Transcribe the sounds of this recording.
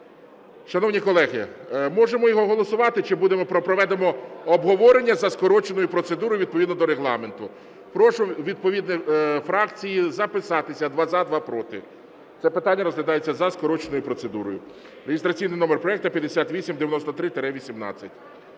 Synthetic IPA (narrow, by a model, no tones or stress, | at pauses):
ʃɐnɔwnʲikɔlˠɛɦɪmɔʒemɔjɔɦɔɦɔlˠɔsʊʋɑt̪ɪt͡ʃɪbud̪emɔpɾɔpɾɔʋɛd̪emɔɔbɦɔʋɔɾenʲːɐzɐskɔɾɔt͡ʃenɔjʊpɾɔt̪sed̪uɾɔjʊʋʲid̪̚pɔʋʲid̪nɔd̪ɔɾeɦlˠɑment̪ʊ | pɾɔʃʊʋʲid̪̚pɔʋʲid̪nɛfɾɑkt͡sʲijizɐpɪsɑt̪ɪsʲɐd̪ʋɑzad̪ʋɑpɾɔt̪ɪ | t̪sɛpɪt̪anʲːɐɾɔzɦlʲɐd̪ɑjet͡sʲːɐzɐskɔɾɔt͡ʃenɔjʊpɾɔsed̪uɾɔjʊ | ɾeɦʲɪst̪ɾɐt͡sʲijnɪjnɔmerpɾɔɛk̚t̪ɐpʲjɐd̪esʲat̪ʋʲisʲimd̪eʋjɐnɔst̪ɔt̪ɾɪt̪eɾɛʋʲisʲimnɑ̰t͡sʲːɐtʲ